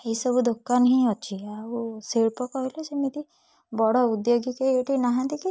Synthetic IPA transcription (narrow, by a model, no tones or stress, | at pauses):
eisɔbud̪okːanɦĩɔt͡ʃʰiausiɭpɔkɔɦojlɔsemit̪i | bɔɽɔud̪joɡikeieʈinaɦãnt̪iki